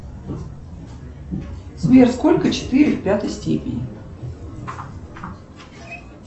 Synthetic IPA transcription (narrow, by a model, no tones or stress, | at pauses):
smʲersko̞lʲkət͡ɕɪ̥t̪ɨɾʲɪfʲpʲat̪əjsʲtʲḛpʲɪnʲɪ̰